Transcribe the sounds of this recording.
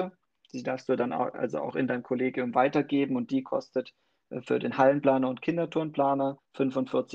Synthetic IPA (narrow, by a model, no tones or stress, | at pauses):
ə | d̥iːdaɐfstd̥uːdana̰ʊʔa̰lzo̰ʔa̰ʊxɪ̰ndaɪmkʰoleːɡjʊmvaɪtɐɡeːbm̩ʊnt̚d̥iːkʰɔ̰stət | ʔfyːɐdeːnhalənpl̥aːnɐʊntkʰɪndɐtʰʊɐnpl̥aːnɐfʏnfʊntfɪɐt͡sɪ